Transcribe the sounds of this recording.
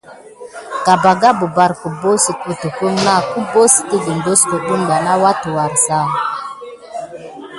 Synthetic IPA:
ka˨ba˨ɡa˦bu˨ba˨ɾku˨bo˦si˨ku˨tə˨ku˦ŋna˦˨ku˦bo˦si̥˨ti˦ɡi˨n˨do˦sko˨ɗu˦nda˨na˦wa˦tu˨wa˨ɾsa˦˨

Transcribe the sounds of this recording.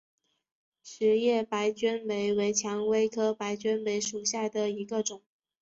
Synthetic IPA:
ʂɻ̩˧˥jɛ˥˩pa˧˥ɪt͡ɕɥɛ˥npe˧˥ɪwe˧˥ɪt͡ɕʰjɑ˧˥ŋwe˥ɪkʰɤ˥pa˧˥ɪt͡ɕɥɛ˥npe˧˥ɪʂu˨˩ɕja˥˩d̪ə˩i˧˥ɡə˧ʈ͡ʂʊ˨˩˦ŋ

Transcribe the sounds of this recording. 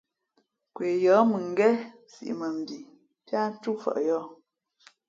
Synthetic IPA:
kwe˨jɔː˨˦mɨ˨ŋ˦ɡɛ˦ | sḭ˨ʔmə˨m̩˨bi˨ | pja˦n̩˦tu˦fə̰˨ʔjɔ˦

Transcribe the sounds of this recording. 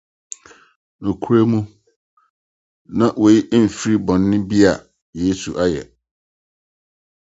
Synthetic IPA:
nʊ̃˨kʰu˦ɾe˦mũ˦ | nã˨ʔwɔ˨ji˦ʔm̩˨fi˦ɾi˦bɔ̃˨nːɪ̃˦bi˦a˨ | jeː˨˦su˨ʔa˦jɛ˨

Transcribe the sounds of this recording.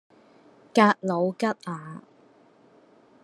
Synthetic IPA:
kaː˧t̚lo˨˧wkɐ˥t̚aː˨˧

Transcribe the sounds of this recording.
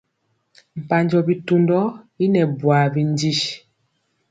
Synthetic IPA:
m̩˨pa˨ɲd͡ʒɔ˨bi˨tu˦ndɔ˦ | i˦nɛ˨bwa˨bi˨n˦di˦ʃ

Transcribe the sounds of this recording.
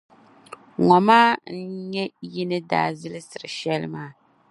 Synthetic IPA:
ŋɔ˨maː˦n̩˦ɲɛ˦ji˦nɨ˦da̰ː˨˦˨zɨ˦lɨ˦sɨ˨ɾɨ˨ʃɛ˦lɨ̰˦maː˦

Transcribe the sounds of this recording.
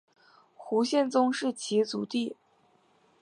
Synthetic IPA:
xu˧˥ɕjɛ˥˩nt͡sʊ˥ŋʂɻ̩˥˩t͡ɕʰi˧˥t͡sṵ˨˩˦t̪i˥˩

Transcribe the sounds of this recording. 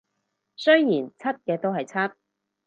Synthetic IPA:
sɵ˥ɥjiː˨˩nt͡sʰɐ˥t̚kɛː˧t̪o˥wɦɐ˨jt͡sʰɐ˥t̚

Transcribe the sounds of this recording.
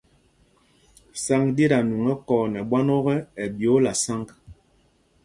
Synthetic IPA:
sa˦ŋde˦ɾa˨nu˨ŋɛ˦kɔː˨nɛ˨ɓwa˦nɔ˦ɣɛ˦ɛ˨bjo˨˦la˨sa˦ŋk

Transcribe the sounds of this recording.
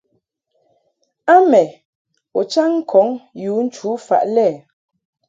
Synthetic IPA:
a˦mɛ˨ | ɔ˨t͡ʃa˦ŋ̩˦kʰɔ˨˦ŋjuː˨˦n̩˦t͡ʃu˨˦fa̰˨ʔlɛ˦˨

